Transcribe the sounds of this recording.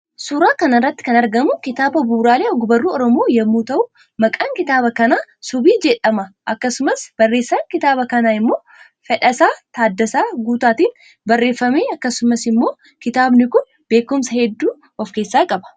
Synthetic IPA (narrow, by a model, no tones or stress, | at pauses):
suːɾaːkɐnɪrːɐt̪ːɪ̥kɐnɐɾɡɐmʊkɪt̪aːbɐbuːɾaːleːɔɡʊbɐrːuːɔɾɔmoːjɐmːuːt̪ɐʔʊ | mɐkʼaŋkɪt̪aːbɐkɐnaːsʊbiːd͡ʒɛᶑʼɐmɐʔɐkːɐsʊmɐsb̥ɐrːe̞ːsːaŋkɪt̪aːbɐkɐnaːɪmːo̞ː | fɛᶑɐsaːt̪aːd̪ːɐsaːɡuːt̪aːt̪iːn | bɐrːe̞ːfːɐmeːɐkːɐsʊmɐsɪmːo̞ː | kɪt̪aːbnɪkʊn | b̥e̞ːkʊmsɐhɛd̪ːuː | ɔfke̞ːsːaːkʼɐbɐ̥